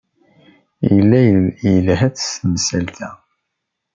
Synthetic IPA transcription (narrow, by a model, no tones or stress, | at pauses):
jəlːæjjəlɦæt͡ssmsælt̪ʰæ